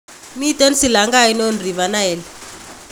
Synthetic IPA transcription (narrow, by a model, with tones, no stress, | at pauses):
mi˦tɛ˦nsi˨la˨ŋɡa˦i˦no˦nri˨βa˨na˦ɛː˨lɛ